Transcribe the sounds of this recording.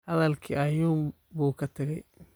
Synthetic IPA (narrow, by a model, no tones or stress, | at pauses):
hɐðɐlkʰḭɐjuːm | buːkʰɐt̪ʰɐɣɛj